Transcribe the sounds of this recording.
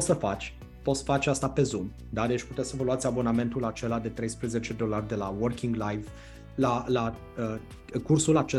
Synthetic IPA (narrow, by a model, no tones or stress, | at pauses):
səfat͡ʃʲ | po̞t̪sfat͡ʃast̪ape̞zun | d̪ad̪e̞t͡ʃʲput̪et̪səvəluat̪sʲabo̞name̞nt̪ulat͡ʃe̞lad̪e̞t̪ɾe̞jspɾeze̞t͡ʃe̞d̪o̞larʲd̪e̞lawərkʲiŋɡlajv | lala | ə | kursulat͡ʃe